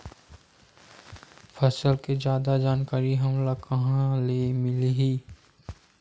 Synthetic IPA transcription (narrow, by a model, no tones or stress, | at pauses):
pʰəsəlked͡ʒjaːd̪ad͡ʒaːnkaːɾiɦɐmlakɐɦãlemɪliɦiː